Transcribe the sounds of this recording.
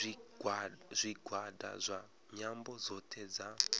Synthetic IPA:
zʷiɡʱwada̰zʷa | ɲambɔd͡zɔtʰɛd͡za

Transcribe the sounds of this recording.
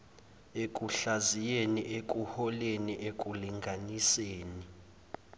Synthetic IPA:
ekʼuɬazijeniʔek̬ʼuhɔleniʔek̬ʼuliŋɡʱaniseːni

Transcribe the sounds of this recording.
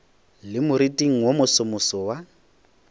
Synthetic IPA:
lɪmʊɾitʼiŋ̩womʊsʊmʊsɔwa

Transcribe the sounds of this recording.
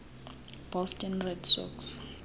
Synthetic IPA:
b̥ɔstʰʼɛnrɛdsɔ̰ks

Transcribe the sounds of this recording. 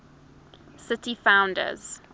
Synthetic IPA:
sɪtifãʊ̃ndə̰z̥

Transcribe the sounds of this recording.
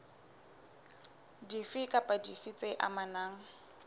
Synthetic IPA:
difɪkʼapʼadifit͡sʼeʔa̰manaːŋ̩

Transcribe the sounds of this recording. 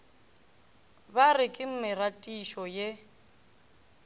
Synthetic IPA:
barɪkʼɪm̩mɪratʼiʃɔje

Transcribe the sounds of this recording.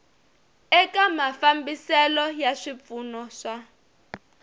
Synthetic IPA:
ɛkamafambisɛlɔjaʂip̪funɔʂa

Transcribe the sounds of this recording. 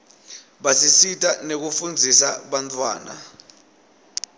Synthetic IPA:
ɓasisitʰʼanek̬ufund͡zʱisaɓantʰʼwa̰ːna̰

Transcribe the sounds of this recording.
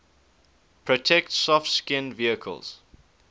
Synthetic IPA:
pʰɹɔtʰɛktsɔftskɪ̃nviəkʰə̰lˠz̥

